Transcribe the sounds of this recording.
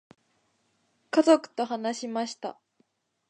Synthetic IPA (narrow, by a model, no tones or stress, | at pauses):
kazokɯ̟̥t̪o̞ɦanaɕimaɕi̥t̪a̰